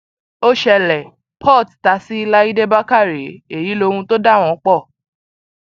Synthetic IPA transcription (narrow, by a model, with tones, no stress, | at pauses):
o˦ʃɛ˧lɛ˨ | pʰɔ˦˨tta˨˧˦si˦i˧la˦i˦de˦ba˦ka˦˨ɾi˨˦e˦˨ji˨˦lo˧hũ˧to˦da˦˨w̃ɔ̃˨˦k͡pɔ˦˨